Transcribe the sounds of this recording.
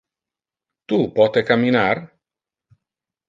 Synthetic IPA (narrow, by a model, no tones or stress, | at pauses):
t̪upɔt̪ekamːinar